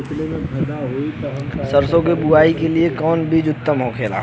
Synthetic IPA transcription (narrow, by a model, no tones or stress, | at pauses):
ɪt͡ʃlemẽpʰɐd̪aɦoit̪oɦmsəɾsõkebʊaːikeliekɔːnbʱid͡ʒʊt̪ːəmɦokʰeːla̰ː